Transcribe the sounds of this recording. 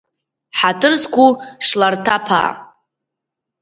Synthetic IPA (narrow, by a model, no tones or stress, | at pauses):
ħatʰɨrzkʷuʂlartʰapʰa̰